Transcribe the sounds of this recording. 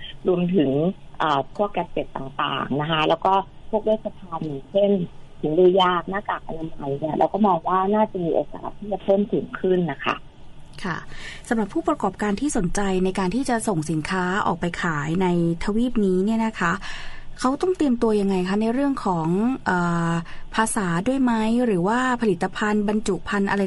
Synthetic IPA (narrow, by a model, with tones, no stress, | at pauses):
ɾu˧əmt̪ʰɯ˩˦ŋʔəː˨˩p̪ʰu˥˩ək̚ka˧˥p̚t͡ɕe˨˩t̪ːaː˨˩ŋt̪a̰ː˨˩ŋna˦˥kʰa˦˥lɛː˦˥wkɔː˥˩ | pʰu˥˩ək̚leː˦˥˩t̪̚sʰa˧t̪ʰaː˧njaː˨˩ŋt͡ɕʰe˥˩nt̪ʰɯ˩˦ŋdiː˧jaː˥˩k̚naː˥˩kaː˨˩k̚ʔa˧na˧ma˧jni˦˥˩ɐlɛ̰ː˦˥wkɔː˥˩mɔː˧ŋwaː˥˩naː˥˩t͡ɕa˨˩miː˧ʔo̰ː˨˩ka̰ː˨˩t̪ʰːiː˥˩t͡ɕa˨˩pʰɤː˥˩mt̪ʰu˩˦ŋkʰɯ˥˩nːa˦˥kʰa̰˦˥˩ | kʰa̰˥˩sa˩˦mɾa˨˩pʰːuː˥˩pɾa˧kɔː˨˩p̚kaː˧nt̪ʰiː˥˩so˩˦nt͡ɕa˧jna˧jkaː˧nt̪ʰiː˥˩t͡ɕa˨˩ʔso˨˩ŋsi˩˦nkʰaː˦˥ʔɔ̰ː˨˩k̚pa˧jkʰaː˩˦jna˧jt̪ʰa˧wiː˥˩p̚niː˦˥ni˥˩ɐna˦˥kʰa˦˥kʰa˦˥wt̪ɔ˥˩ŋt̪i˧əmt̪u˧ɐja˧ŋːa˧jkʰa˦˥na˧jɾɯ˥˩əŋkʰɔː˩˦ŋʔɤː˨˩pʰaː˧saː˩˦du˥˩əjma˦˥jɾɯː˩˦waː˥˩pʰa˧li˨˩t̪ːa˧pʰa˧nba˧nt͡ɕu˨˩pʰa˧nʔa˧ɾa˧